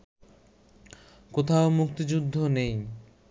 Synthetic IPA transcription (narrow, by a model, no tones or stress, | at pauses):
kot̪ʰaomukt̪id͡ʑud̪ʱːonej